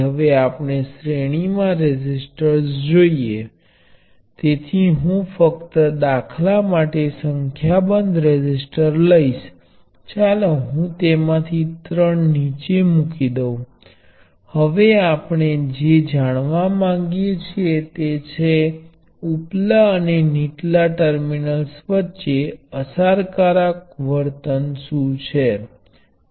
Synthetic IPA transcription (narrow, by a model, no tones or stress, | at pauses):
ɦəʋeapɳ̃esɾeɽ̃imãɾed͡ʒɪsʈəɾsd͡ʒoie | t̪et̪ʰiɦũfəkt̪əd̪akʰlamaʈesəŋkʰjabənd̪ʱɾed͡ʒɪsʈəɾləiʃ | t͡ʃaleɦũt̪emãt̪ʰit̪ɾəɳnit͡ʃemukid̪ə̃ | həʋeapɳ̃ed͡ʒed͡ʒaɽ̃ʋãmãŋɡjet͡ʃʰiet̪et͡ʃʰe | uplaəneniʈlaʈəɾminəlsʋətːʃeəsaɾkaɾak̚ʋəɾt̪ənsũt͡ʃʰe